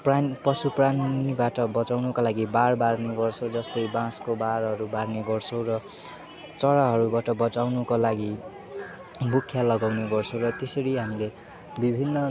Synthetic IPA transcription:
prapʌsupranibaʈʌbʌt͡sawnukalaɡibarbarneɡʌrt͡sʰod͡zʌst̪ʌjbãskobaɾɦʌɾubarneɡʌrt͡sʰõwrʌ | t͡sʌɽaɦʌɾubaʈʌbʌt͡sawnukolaɡi | bukʰːjalʌɡawneɡʌrt͡sʰõw̃rʌt̪esʌɾiɦamile | bibʱinːʌ

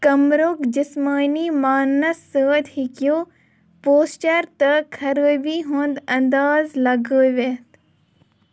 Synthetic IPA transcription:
kɐmɾoːkd͡ʒɪsmaːniːmaːnɐsːəːd̪hikjoː | poːsʈɐɾt̪ɐkʰɐɾəːbiːɦoːnd̪ɐnd̪aːzlɐɡəːʋet̪

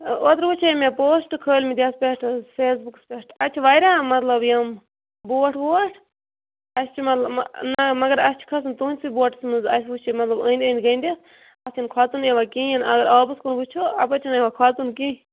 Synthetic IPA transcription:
oːt̪ɾbut͡ʃʰimẽpoːsʈɨkʰəːlʲmid̪ʲaspʲeʈʰfeːs̬bukspeʈʰɐt͡ʃʰiʋaːjɾamɐt̪lɐbjɐm | boːʈʰboːʈʰ | ɐsʰt͡ʃʰimɐt̪lɐnɐmɐɡɐɾɐst͡ʃʰi̥kʰɐsɨnt̪uːnʲsiboːʈsmɨzɐt͡ʃʰbut͡ʃʰimɐt̪lɐbə̃ːnʲd̪ʲənʲɡɐnd̪ʲes | ɐsinkʰwaːt̪unjeʋakiinɐɡɐɾaːbɨskunbut͡ʃʰoɐpət͡ʃʰinjeʋakʰwaːt̪unkĩː

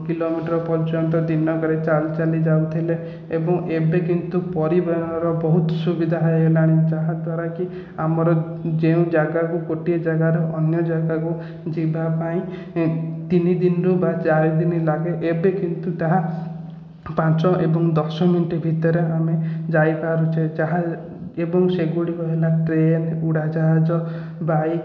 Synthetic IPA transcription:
kilomiʈɔɾɔpɔɾt͡ʃɔnt̪ɔd̪inɔkɔɾet͡ʃalt͡ʃalid͡ʒawt̪ʰile | ebɔŋʔebekint̪upɔɾibeɾɔnɔɾɔbɔɦut̪ɔ̥subid̪ʱaɦɔjelaɽ̃ĩt͡ʃaɦad̪waɾaki | amɔɾɔ | d͡ʒeũd͡ʒaɡakukoʈied͡ʒaɡaɾeʔɔnjɔd͡ʒaɡaku | d͡ʒibʱapaĩ | t̪inid̪inɾubat͡ʃaɾid̪inilaɡeʔebekint̪ut̪aɦa | pãt͡ʃɔʔebɔŋd̪ɔsɔminʈibʱit̪ɔɾeamed͡ʒajpaɾut͡ʃʰed͡ʒaɦa | ebɔŋseɡuɽikɔɦelaʈɾenuɽad͡ʒaɦad͡ʒɔ | baj

